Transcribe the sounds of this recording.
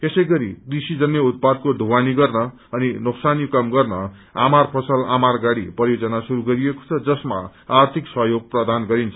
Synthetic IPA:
t̪esʌjɡʌɾḭd̪ɾisid͡zʌnjeut̪̚pad̪̚kod̪ʱuwaniɡʌrnʌ | ʌninoksanjukʌmɡʌrnʌ | a̰marpʰʌsʌlamarɡaɽḭprʌjod͡zʌnasuɾuɡʌɾijeko̥t͡sʰʌd͡zʌsma̰ː | rt̪ʰiksʌɦjoɡ̚prʌd̪ʱanɡʌɾint͡sʰʌ

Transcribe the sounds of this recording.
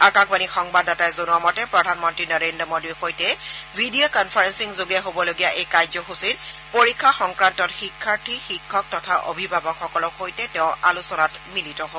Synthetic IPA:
akakbanixɔŋbadatajzonuamɔtɛpɹɔdʱanmɔntɹinɔɹendɹɔmodiɹxojtɛbʱidiokɔnpʰaɹensiŋzoɡijaɦobɔloɡijaʔejkajzɔxusit | poɹikʰːaxɔŋkɹantɔtxikʰːaɹtʰixikʰːɔk̚tɔtʰaʔo̰bʱibʱabɔkxɔkɔlɔkxojtɛtɛʊ̃a̰lusɔnatmilitɔɦo

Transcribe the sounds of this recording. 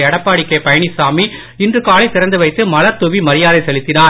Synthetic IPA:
ɐɽɐpːaːɽɪkːɐɪpɐjɐɳɪsaːmi | ɪndrɯkaːlɐɪt̪ːɪɾɐnd̪ɯʋɐɪt̪ːɯmɐlɐɾt̪ʊʋimɐɾɪjaːðɐɪsɛlɪt̪ːɪnaː

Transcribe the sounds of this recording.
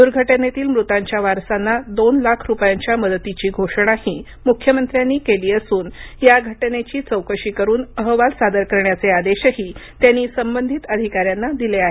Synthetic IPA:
d̪uɾɡʱəʈənet̪iːlmɾut̪aɲt͡ɕjaʋaɾsanːad̪onlakʰɾupjaɲt͡ɕjaməd̪ət̪it͡ɕiːɡʱoʂɳ̃ahiː | mukʰjəmənt̪ɾjanːiːkeliːəsuːnjaɡʱəʈnet͡ɕiːt͡səwkəɕiːkəɾuːnəɦʋalsad̪əɾkəɾɳjat͡sead̪eɕəɦiːt̪janːiːsəmbənd̪ʱit̪əd̪ʱikaɾjanːad̪ileaɦe

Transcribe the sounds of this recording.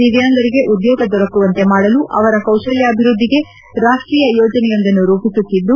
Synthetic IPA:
iʋjaːnd̪ɐɾiɡe̞ʔud̪joːɡɐd̪ɔɾɐkːuʋɐnt̪e̞maːɽɐluʔɐ̰ʋɐɾɐkɐwʃɐljɐːbʱiɾud̪ʱːiɡe | ɾaːʂʈɾiːjɐjoːd͡ʒɐnɛjɐnd̪ɐnːuɾuːpisut̪ːid̪ːu

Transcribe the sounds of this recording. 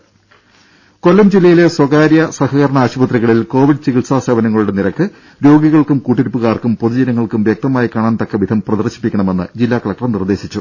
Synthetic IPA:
ko̞lːɐmd͡ʑilːɐjile̞swɐɣaːɾjɐsɐhɐɣɐɾɐɳɐaːɕubɐt̪riɣɐɭilko̞ːʋiɖɨt͡ɕiɣiɭsaːseːbɐnɐŋːɐɭuɽe̞niɾɐkːɨ | ɾo̞ːɡiɣɐɭkumkuːʈːiɾipːuɣaːrkumpoðud͡ʑɐnɐŋːɐɭkumʋjɐk̚t̪ɐmaːjikaːɳaːnt̪ɐkːɐʋid̪ʱɐmprɐd̪ɐrɕi̥pːikʲːɐɳɐme̞nːɨd͡ʑilːaːkɐɭɐk̚ʈɐrmnird̪e̞ːɕit͡ɕːu

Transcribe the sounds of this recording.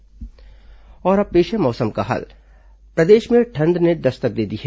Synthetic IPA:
ɔːɾɐb̚pːeːʃemɔːsəmkaɦɐ̰l | pɾɐd̪eːʃmẽʈʰɐ̃nd̪ned̪ɐst̪ək̚d̪eːd̪iɦɛː

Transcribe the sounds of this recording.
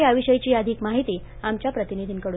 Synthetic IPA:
iəʋiɕəjt͡ɕiːəd̪ʱiːkmaɦit̪i | amt͡ɕjapɾət̪inid̪ʱiːnkəɽu

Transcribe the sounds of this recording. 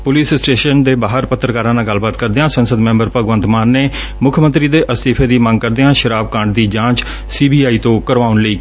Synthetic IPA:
pʊliːssʈeːʃənd̪eːbaːɦəɾpət̪ːɾəkaːɾãːnãːɡəlbaːt̪kəɾd̪eːãːsənsəd̪mɛ̃ːmbəɾpəɡʋə̃nt̪maːnːeː | mʊkʰmə̃nt̪ɾiːd̪eːʔəst̪iːpʰeːd̪iːmə̃ŋɡ̚kəɾd̪eːãːʃəɾaːbkãːɳʈ̚d̪iːd͡ʒãːt͡ʃ | siːbiːaːiːt̪õːkəɾʋaːʊnliː

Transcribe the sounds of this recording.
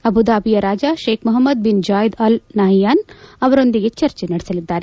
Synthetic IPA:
ɐbʱud̪aːbijɐɾaːd͡ʒaʃeːkʰmuɦɐmːɐd̪̚bind͡ʒaːjd̪ɐlnaːɦijaːnɐʋɐɾond̪iɡet͡ʃɐɾt͡ʃenɐɽisɐlid̪ːaːɾe

